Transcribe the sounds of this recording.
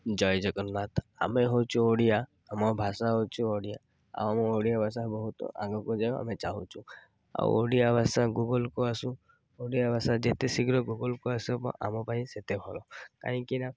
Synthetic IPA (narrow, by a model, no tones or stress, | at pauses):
d͡ʒɔjd͡ʒɔkɔnat̪ʰa̰meɦot͡ʃʰuoɽijaː | mɔbʱasaɦot͡ʃʰuoɽija | a̰wamɔoɽijabʱas̬aɦbɔɦut̪ɔ̰ʔã̰ŋɡɔkɔd͡ʒaa̰met͡ʃaɦũt͡ʃʰu | a̰w̰o̰ɽijabʱasaɡuɡɔlkoasũ | oɽijabʱasad͡ʒet̪esiɡɾɔɡuɡɔlkoasɛpɔ̰ʔa̰mɔpaĩset̪ebʱɔlɔka̰ɦɔ̃kina